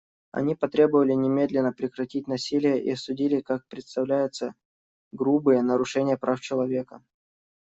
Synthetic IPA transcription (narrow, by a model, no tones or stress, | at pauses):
ɐ̰nʲipɐt̪ɾʲe̞bəvəlʲɪnʲɪmʲe̞d̪lʲɪnːəpɾʲɪkɾɐtʲit̚ʲnɐsʲilʲɪjəʔḭɐsʊdʲilʲɪkak̚pɾʲɪt̪st̪ɐvlʲæjʊt̪sə | ɡɾubɨjənəɾʊʂɛnʲɪjəpɾʔaft͡ɕɪlˠɐvʲekə